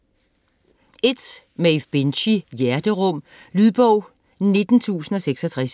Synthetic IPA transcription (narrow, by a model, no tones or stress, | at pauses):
e̝d̥ | mefb̥e̝nɕijæɐd̥əʁɔ̽m̰ | lyðˠb̥ɔʊ̰ | ne̝d̥n̩t͡sʰṵːsn̩ɒ̽seɡ̥sɒ̽t͡sʰʁas